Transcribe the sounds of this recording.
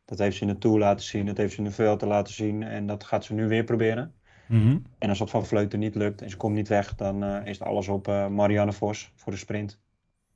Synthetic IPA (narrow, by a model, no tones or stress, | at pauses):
d̥ɔtheːftsənətuəlaːtəsindɔthejftsənəfølˠtəlaːtəsinɛ̰ndɔtxaːtsənyʋɪəprobɪəɾən | ɛnɔsətfɔnfløːtənitløk̚tʰɛnsəkomtnitʋɛxdɔnɪsətɔ̰lˠəsɔpmaɾianəfosfʊːrdəsprɪnt